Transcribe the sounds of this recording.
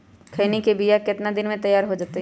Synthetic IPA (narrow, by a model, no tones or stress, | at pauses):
kʰɐːnikebijakɪt̪nad̪ɪnmẽt̪ɐjːaːɾɦod͡ʒaːt̪e